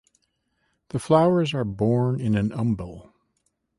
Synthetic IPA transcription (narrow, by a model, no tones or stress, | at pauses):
ðəflaʊə˞zə˞bɔɹnɪ̃nɨ̃nʌ̃mbəl̩ˠ